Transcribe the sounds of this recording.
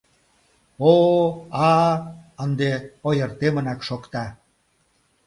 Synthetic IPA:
oɑ | ənd̪eojərt̪emə̆nɑkʃokt̪ɑ

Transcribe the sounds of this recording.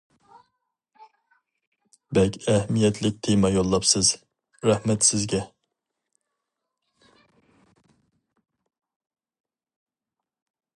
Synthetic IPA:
bɛkʲɛhmijɛt̪ʰlɪk̚ʲt̪ʰemɑjolˠːɑpsɨz | ɾɛhmɛt̪sɪzɡʲɛ

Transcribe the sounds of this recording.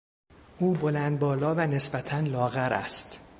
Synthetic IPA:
ʔuːbo̞lænd̪̚bɒːlɒːvæne̞sbæt̪ʰænlɒːɣæɾʔæ̰st̪

